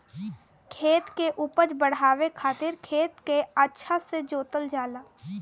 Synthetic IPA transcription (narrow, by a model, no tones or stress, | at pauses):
kʰeːt̪keʔuːpət͡ʃbəɽ̤aːwekʰaːt̪ɪɾkʰeːt̪keətːʃʰased͡ʒoːt̪əld͡ʒaːlaː